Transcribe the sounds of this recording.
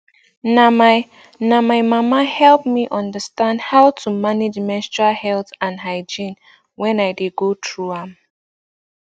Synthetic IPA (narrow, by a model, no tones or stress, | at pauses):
nama | namajmamahɛlp̚miʔɔ̃ndəstãndhawtʰumaned͡ʒmɛst͡ʃahɛltãnɦaɪd͡ʒĩn | wɛ̃najdeɡotʰɹuɛ̃m